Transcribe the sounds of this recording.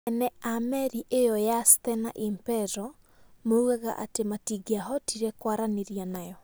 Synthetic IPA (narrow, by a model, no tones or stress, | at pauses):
ɛnɛamɛɾiʔejɔjastɛna̰ʔimpɛɾɔ | mouɣaɣa̰ʔa̰tematiɡiaɦɔtiɾɛkwaɾaneɾianajɔ